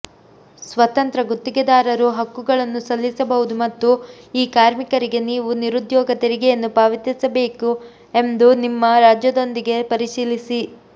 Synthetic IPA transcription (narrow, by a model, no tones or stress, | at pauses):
sʋɐt̪ɐnt̪ɾɐɡot̪ːiɡed̪aːɾɐɾuɦɐkːuɡɐɭɐnːusɐlːisɐbɐɦud̪umɐt̪ːuiːkaːɾmikɐɾiɡe̞niːʋuniɾud̪jɔːɡɐt̪eɾiɡɛjɐnːupaːʋit̪isɐbe̞ːku | e̞nd̪unimːɐɾaːd͡ʒjɐd̪o̞nd̪iɡe̞pɐɾiʂiːlisi